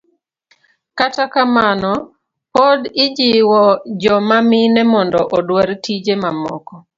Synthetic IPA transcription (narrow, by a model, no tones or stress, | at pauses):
katakamanɔ | podɪd͡ʒɪwɔd͡ʒɔmamɪnɛmɔndɔʔɔdwaɾtid͡ʒemamɔ̰kɔ